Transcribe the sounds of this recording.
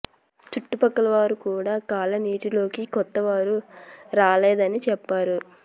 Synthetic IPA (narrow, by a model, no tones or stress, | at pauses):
t͡ʃuʈːupɐkːɐlɐʋaːɾukuːɽaːkaːlɐniːʈilo̞ːkikɔt̪ːɐʋaːɾuɾaːleːd̪ɐnit͡ʃɛpːaːɾu